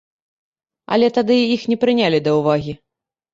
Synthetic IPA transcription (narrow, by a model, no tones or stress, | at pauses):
ɐ̰lʲɛt̪ad̪ɨixnʲɛpɾɨnʲalʲid̪ɐwvaɣʲi